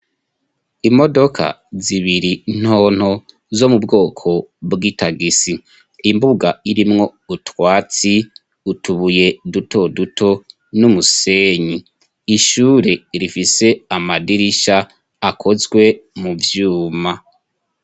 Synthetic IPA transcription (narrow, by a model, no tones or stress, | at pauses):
imo̞do̞kʰa̰ | ziβiɾin̥ho̞ːn̥ho̞ | zo̞mubɡo̞ːkʰo̞bɡitaɡisiː | mbuɡaiɾimŋo̞utwaːt͡si | utuβuje̞duto̞dutʰo̞ | numuse̞ːɲi | iʃuːɾe̞ɾifise̞amadiɾiʃaː | kʰo̞zɡwe̞muvjuːma